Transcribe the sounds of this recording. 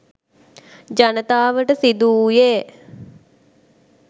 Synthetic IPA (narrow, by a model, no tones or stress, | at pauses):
d͡ʒanət̪aːʋəʈəsid̪uːjeː